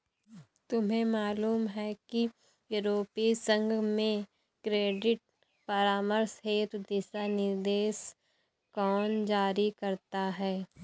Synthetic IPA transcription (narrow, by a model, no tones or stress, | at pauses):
t̪ʊmɦẽmaːluːmɦɛki | juːɾoːpisə̃ŋɡʱmẽ | kɾeːɖɪʈ̚ | pɐɾaːməɾsɦeːt̪d̪ɪsanɪɾd̪eːs | kɔːnd͡ʒaːɾikɐɾt̪aɦɛː